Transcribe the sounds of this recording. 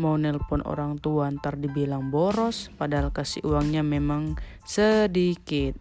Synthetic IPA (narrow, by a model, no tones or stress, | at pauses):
mɔnɛlpʊno̰ɾaŋt̪uant̪ardibilaŋbɔɾɔspadaɦalkasḭʔuwaŋɲamemaŋ | sədikɪt̪̚